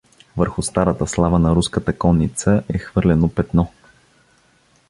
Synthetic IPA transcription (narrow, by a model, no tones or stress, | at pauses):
vəɾxʊst̪aɾət̪əslˠavənɐɾuskət̪əkɔnːit̪səʔɛxvɤɾlɛnopɛt̪nɔ